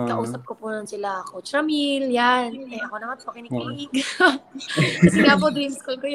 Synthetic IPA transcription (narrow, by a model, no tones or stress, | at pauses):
kɐʔuːsɐp̚kopunɐnsɪlaɐkot͡ʃɾɐmiljanɛʔɐkonɐmanpoɐkɪnɪɪɡ | kɐsɛŋap̬od̪ɾimskolkoj